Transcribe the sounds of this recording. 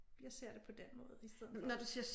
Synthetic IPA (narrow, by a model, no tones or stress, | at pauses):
jɑ̈ɪse̝ɐ̰d̥e̝pʰɒ̽d̥enmɔ̽ːð̞̩ˠisd̥eðˠnɒd̥usiɐs